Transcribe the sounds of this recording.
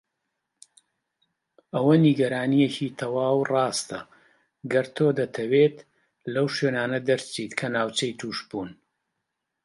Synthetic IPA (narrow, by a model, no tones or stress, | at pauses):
ʔɐwɐniɡɐɾaːnijecit̪ʰɐwaːwrɑːst̪ɐ̰ | ɡɐɾt̪ʰoːd̪ɐt̪ʰɐweːt̪ | lɐwʃeːnaːnɐd̪ɐɾt͡ʃiːt̪kʰɐnaːwt͡ʃɐjt̪ʰuːʃbuːn